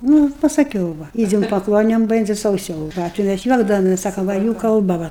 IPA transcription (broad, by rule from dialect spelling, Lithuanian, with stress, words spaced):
ˈnʊ pɐsɐˈkʲɛʊ ˈʋɐ ˈɪd͡zʲɛm pɐˈklˠoːnʲoːm ˈbʲɛnʲd͡zʲɪ sɐʊˈsɐʊ ˈʋɐ tɐɪ ˈmʲæs ˈjuɔɡdɐʋoːmʲɛs ˈsɑːkoːm ˈʋɐ juː kɐlˠˈbɐ ˈʋɐ